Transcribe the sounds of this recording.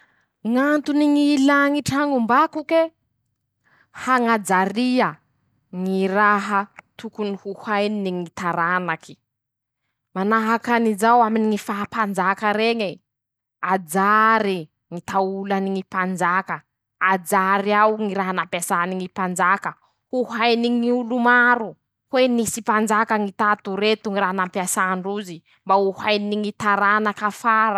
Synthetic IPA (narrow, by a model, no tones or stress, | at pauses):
ŋant̪uniŋilaŋiʈ͡ʂaŋumbakuke | haŋad͡zaɾiə | ŋiraɦət̪ukunihuhajniniŋit̪aɾanakʰi̥ | manaɦakanizawaminiŋifapand͡ʒakəɾeŋe | ad͡zaɾi | ŋit̪aulaniŋipand͡ʒakə | ad͡ʒaɾiawŋiɾaɦanampasaniŋipand͡ʒakə | uɦajniŋiulumaɾu | hwenisipand͡ʒakəŋit̪at̪uɾet̪uŋiɾaɦanampjasaɳɖ͡ʐuzi | mbauhajniiŋit̪aɾanakafaɾa